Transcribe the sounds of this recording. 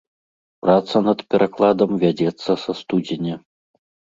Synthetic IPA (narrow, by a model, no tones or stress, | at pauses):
pɾat̪sɐnɐt̪pʲɛɾʔaklˠad̪ɐmvʲad͡zʲɛt̪sːɐsɐst̪ud͡zʲɪnʲɛ